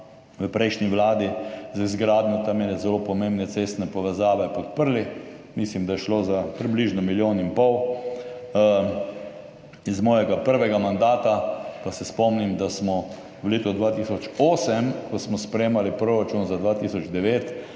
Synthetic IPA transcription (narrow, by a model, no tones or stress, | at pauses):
ʋəpɾɛjʃniʋlaːd̪izizɡɾaːd̪nɔt̪amɛnɛzɛlopɔmẽmbnɛt̪sest̪nɛpɔʋɛzaːʋɛpɔt̪̚pəɾlimislimd̪ajɛʃloːzapɾibliʒnɔmiljoːnimpɔw | izmɔːjɛɡapəɾʋɛɡamand̪aːt̪apasɛspɔmnimd̪asmɔ | wleːt̪ɔd̪ʋaːt̪isɔt͡ʃoːsɛmkɔsmɔspɾɛjeːmalipɾoɾat͡ʃunzad̪ʋat̪isɔd͡ʒd̪ɛʋeːt̪